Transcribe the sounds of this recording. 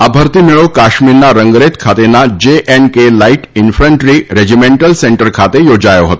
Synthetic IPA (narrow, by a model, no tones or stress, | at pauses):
abʱəɾt̪iːmiɭokaɕmiːɾnaɾəŋɡɾet̪kʰat̪enːad͡ʑeʔɛnkelaiʈinfɾəɳʈɾiːɾed͡ʑimeɳʈəlseɳʈəɾkʰat̪ejod͡zajoɦot̪o